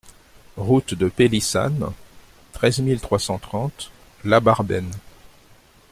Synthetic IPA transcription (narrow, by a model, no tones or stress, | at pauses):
ʁut̪d̪əpelisa̰n | t̪χɛzmilt̪χwasɑ̃t̪χɑ̃t̪ | labaʁbɛn